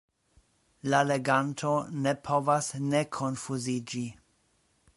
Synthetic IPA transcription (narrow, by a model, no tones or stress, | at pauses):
laleɡantʰo̞ne̞pʰo̞vasne̞kʰo̞nfuzid͡ʒi